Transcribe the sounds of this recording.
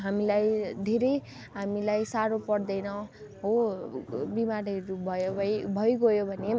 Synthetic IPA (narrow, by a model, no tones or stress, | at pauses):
ɦamilajd̪ʱeɾʌj | ɦamilajsaɾopʌɽd̪ʌjnʌ | ɦo | bimaɾʌɾubʱʌjobʱʌjɡʌjobʱʌne